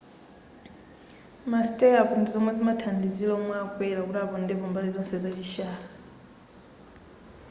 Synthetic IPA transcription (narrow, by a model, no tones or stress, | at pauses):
mastʼɛjakuntʰuzɔmwɛd͡zimatʰandid͡zilɔmwɛakwɛlakuɗapɔndɛβɔmbalizɔnsɛd͡zat͡ʃiʃaːla